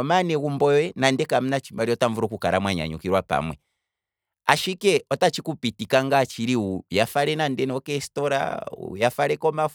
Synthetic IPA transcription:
ɔmanɛɣumbɔwɛnandɛkam̩nat͡ʃimbaɾiɔtaɱvuɾɔkukaɾamwaɲa̰ɲṵkiɾwapa̰mwɛ | a̰ʃikɛɔtat͡ʃikupitikaŋɡat͡ʃiɾiujafaɾɛnandɛnɛɔkɛstɔɾa̰ṵjafaɾɛkɔma

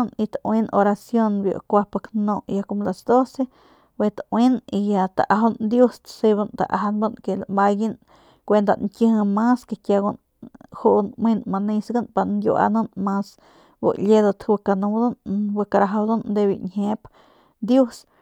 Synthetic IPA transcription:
nit̪awinoɾasjonbjo̰kʷapaknoʔjakomlasd̪ose | wet̪awinijat̪aʔaɦond̪just̪siβant̪a̰ʔa̰ɦanbonkelamajin | kʷend̪a̰nŋkʲɨhmaskekjaɡun | huʔnminmanisɡanpanɡʲjṵʔa̰nonmas | wo̰ʔlʲed̪ot̪wɨkanud̪unwɨkaɾaɦawd̪ond̪ebḭɲhep | d̪jus

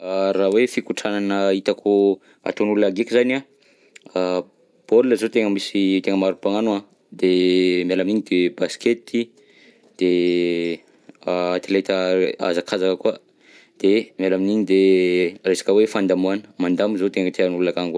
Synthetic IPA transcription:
rawefikuʈ͡ʂananəit̪akʰu | a̰t̪onulunaɡekizana | b̥oluləzot̪eŋəmisit̪eŋəmaɾupaŋanua | d̪emalaminiɲid̪ebasket̪i | d̪̥e | aat̪ilet̪əa̰zakʰazakəkuə | d̪̥emalaminiɲid̪eresḁkəwefand̪amuanə̥mand̪amizot̪eŋət̪eanulunaɡaŋɡ

